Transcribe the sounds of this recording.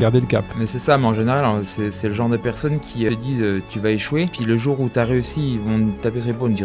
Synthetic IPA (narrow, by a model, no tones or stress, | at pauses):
ɡaʁd̪eləkapmɛsɛsameɑ̃ʒeneʁalɑ̃ɛsɛsɛləʒɑ̃ʁd̪əpɛʁsɔnkʲʰiød̪iːzøt̪yvaeʃwepɥiləʒuːʁut̪yaʁeysivɔ̃t̪apesep̬ond̪i